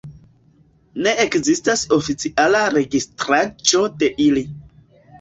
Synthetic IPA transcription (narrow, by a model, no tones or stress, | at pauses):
ne̞ʔekzistaso̞fit͡siʔalaɾe̞ɡistɾat͡ʃo̞de̞ʔili